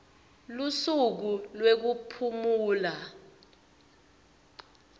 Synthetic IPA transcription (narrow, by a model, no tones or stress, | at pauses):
lusuk̬ulwek̬upʰumuːla